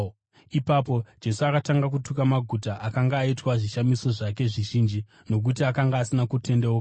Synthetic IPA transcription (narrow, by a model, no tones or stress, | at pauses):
ipapo̞d͡ʒe̞suakataŋɡak̬utukamaɡʱutaʔakaŋɡaːitwaʐiʃamiso̞ʐake̞ʐiʒind͡ʒi | no̞k̬utiakaŋɡaːsinakute̞ndeok